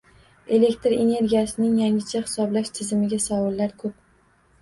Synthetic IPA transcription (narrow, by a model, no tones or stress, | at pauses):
e̞le̞kʲt̪ɾe̞ne̞ɾɡʲijasɪnɪŋjaŋɪt͡ʃʰahɪ̥sɒblaʃt̪ʰɪzɪmɪɡʲasawɒlːaɾkʰɵp̚